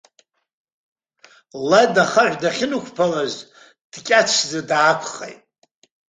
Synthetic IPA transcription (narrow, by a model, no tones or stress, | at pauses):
ladaχaʕʷᶣdaχʲɪnukʷʰpʰalaz | d̥kʲʼat͡ʃʷʰzadaːkʷʰχḛjtʼ